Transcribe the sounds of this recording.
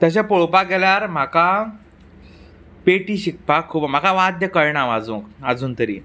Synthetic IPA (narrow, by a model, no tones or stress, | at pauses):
t̪əɕ̬ẽpoɭpaɡɛljaɾm̤aka | peʈiɕik̚pakʰːuːpm̤akaʋad̪jəkəɭɳaʋad͡zũkad͡zuːnt̪əɾḭː